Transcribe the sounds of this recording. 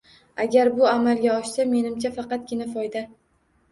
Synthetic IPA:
aɡʲaɾbʊamalˠɡʲaɒʃsame̞nɪmt͡ʃʰafɑqɑt̪̚ɡʲɪnafɒjd̪a

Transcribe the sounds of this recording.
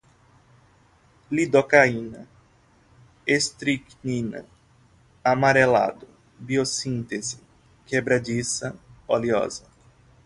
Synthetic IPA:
lid̪okaĩnɐ̰ | est̪ɾiknĩnɐ̰ | amaɾela̰d̪ʊ | biosĩnt̪ezɪ | kebɾad͡ʒisɐoliɔ̰zɐ

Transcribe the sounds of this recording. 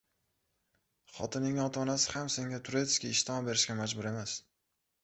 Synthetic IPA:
χɒ̰t̪ɪnɪŋɒt̪ʰaːnasɪ̥hamse̞ŋɡʲat̪ʰʊɾet̪ɪʃkʲaɪʃt̪ɪmɒbe̞ɾɪʃkʲamad͡ʒbʊɾe̞mas

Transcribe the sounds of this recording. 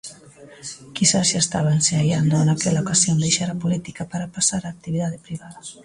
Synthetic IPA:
kisasast̪aβanseajand̪oanakeʎaukasiond̪ejʃaɾapulit̪ikapaɾapasaɾaːk̚t̪iβiðaðepɾiβaða

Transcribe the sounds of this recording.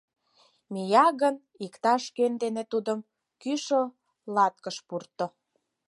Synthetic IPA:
mijɑɣən | ikt̪ɑʃkønd̪enet̪ud̪əm | kyʃo | lɑt̪̚kəʃpurt̪ːo

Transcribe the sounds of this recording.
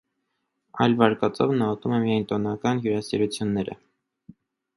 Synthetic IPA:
ɑ̰jlvɑɾkɑt͡sɔ̰vnɑvɔt̪umɛmijɑjnt̪ɔnɑkɑnjuɾɑsiɾut͡sʰjunːɛɾə̰

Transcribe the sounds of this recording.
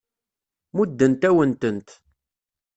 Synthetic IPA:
mud̪ːənt̪æwənt̪ənt̪

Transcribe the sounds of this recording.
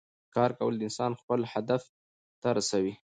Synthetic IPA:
kɑɾkawəld̪əɪnsɑnxpəlhad̪af | t̪aɾasawi

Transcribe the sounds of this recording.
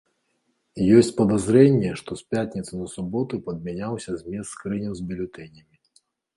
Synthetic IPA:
jɔsʲt͡sʲpɐd̪azɾɛnʲːɛʂt̪ɔsʲpʲjat̪ʲnʲit̪sɨnɐsubɔt̪upɐd̪̚mʲɛnʲawsʲɐzʲmʲɛst̪ːkɾɨnʲɛwzbʲilʲʊt̪ɛnʲɐmʲi

